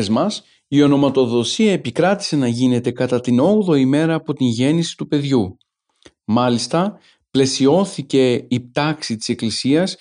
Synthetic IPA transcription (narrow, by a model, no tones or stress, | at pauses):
zmɐs | io̞no̞mɐt̪o̞ðo̞siɐepikɾɐt̪i̥se̞nɐʝine̞t̪e̞kɐt̪ɐt̪ino̞ɣðo̞ime̞ɾɐːpo̞t̪inʝe̞nisi̥t̪upe̞ðʝu | mɐlist̪ɐ | ple̞sio̞θice̞ip̚t̪ɐksit̪i̥se̞klisiɐs